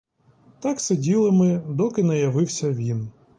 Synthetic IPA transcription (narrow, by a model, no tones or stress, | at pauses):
t̪ɑksedʲilˠɪmɪd̪ɔkɪnɐjɐʋɪwsʲɐʋʲin